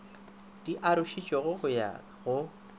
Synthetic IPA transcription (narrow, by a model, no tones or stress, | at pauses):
d̥iʔaɾʊʃit͡ʃʼɔɣʊɣʊja̰ | ɣʊ